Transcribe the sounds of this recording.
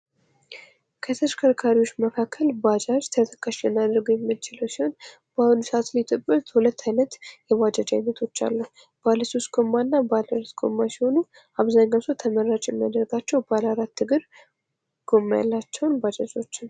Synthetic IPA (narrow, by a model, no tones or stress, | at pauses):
kʰət̪ʰəʃkʰəɾkʰaɾiwo̞t͡ʃːməkʰakʰːəlbad͡ʒad͡ʒt̪ʰət̪ʰə̥kʰːaʃɛnad̪ɨɾɡojɛmːɨt͡ʃɪləwsiho̞n | b̥ahunsəat̪lit̪ʰɨɨt̪hulət̪ːajnət̪jɛbad͡ʒad͡ʒajnət̪ʰo̞t͡ʃːa̰lːuhu | b̥aləsost̪ɡʼo̞mːanːabalaɾat̪ɡʰʼo̞̰mːasiho̞nu | aβzaɲːasot̪ʰəməɾat͡ʃʼjɛmːad̪əɾɡat͡ʃːɛwbalaɾat̪ːɨɡɨɾ | ɡ̥o̞mːaja̰lːat͡ʃːɛwnbad͡ʒad͡ʒo̞t͡ʃːɪn